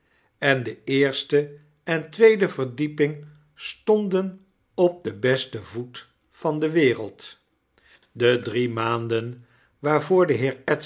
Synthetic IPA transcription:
ɛndəɪːɹstə | ɛntʋejdəvəɹdipɪŋ | stɔndən | ɔb̚dəbɛstəvut | fɑndəʋɪːrə̰lˠt | dədrimaːndən | ʋaːɹvʊːɹdəɦɪːɹɛt

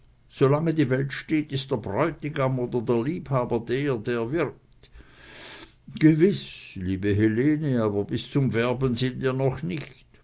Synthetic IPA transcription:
z̥olaŋədiːvɛltʃteːtɪstd̥eːɐbʁɔʏtɪɡamoːdɐdeːɐliːphaːbɐdeːdeːɐvɪʁk̚t | ɡ̥əvɪsliːbəɦeleːnəaːbɐbɪst͡sʊmvɛɐbənzɪntviːɐnɔχnɪçt

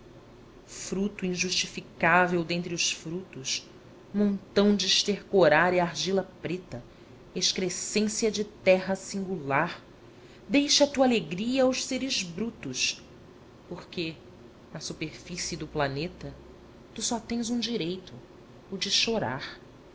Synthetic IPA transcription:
fɾut̪uĩʒuʃt͡ʃifikavewd̪ẽnt̪ɾiʊʃfɾut̪ʊʃ | mõnt̪ɐ̃w̃d͡ʒɪʃt̪eɾkoɾaɾiaɾʒilɐpɾet̪ɐ | eʃkɾesẽsiɐd͡ʒɪt̪ɛɦɐsĩŋɡulaɾ | d̪ejʃɐt̪uɐaleɡɾiɐwʃseɾɪzbɾut̪ʊʃ | poχke | nɐsupeɾfisid̪ʊplanet̪ɐ | t̪usɔt̪ẽj̃zũd͡ʒiɾejt̪ʊ | ʊd͡ʒɪʃoɾa̰ɾ

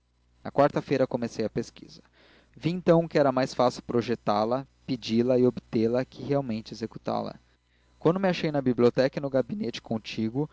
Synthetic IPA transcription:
nɐ̰kwaɾt̪ɐfejɾɐkomesejɐpeski̥̰zɐ | viẽnt̪ɐ̃w̃ʊkɪɛɾɐmajsfasɪwpɾoʒet̪alɐ | pid͡ʒilɐɪobɪt̪elɐkʰɪɦeawmẽnt͡ʃɪezeku̥t̪a̰lɐ̰ | kwɐ̃nd̪ʊmɪaʃejnɐbibliot̪ɛkɐnʊɡabinet͡ʃɪ̥kõt͡ʃiɡʊ

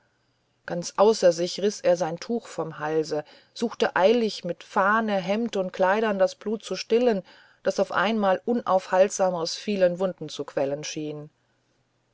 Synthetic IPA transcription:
ɡ̥ant͡sʔaʊsɐzɪçʁɪsʔeːɐzaɪntʰuːxfɔmhalzə | z̥uːxtəʔaɪlɪçmɪtfaːnəɦɛmtəʊnt̚kʰl̥aɪɾɐndasb̥luːt̚t͡suʃtɪlən | d̥asaʊfʔa̰ɪnmaːlʔʊnʔa̰ʊfhaltz̥aːməʁəsfiːlənvʊndn̩t͡sukv̥ɛlənʃiːn

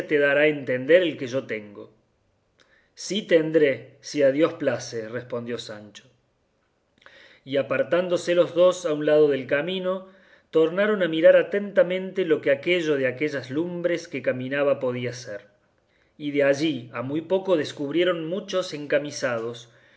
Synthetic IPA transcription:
t̪eðaɾaent̪end̪eɾelkeʒo̞t̪eŋɡo̞̰ | sit̪end̪ɾesiaðjo̞splaserespo̞nd̪jo̞sant͡ʃo | iapaɾt̪and̪o̞selo̞zðo̞saunlað̞o̞ðelkamĩno̞ | t̪o̞ɾnaɾo̞namiɾaɾat̪e̞nt̪amẽ̞nt̪elo̞keakeʒo̞ð̞eake̞ʒazlumbɾeskekamĩnaβapo̞ð̞iaseɾ | iðeaʒiamujpo̞ko̞ð̞eskuβɾje̞ɾo̞nmut͡ʃo̞se̞ŋkamisað̞o̞s

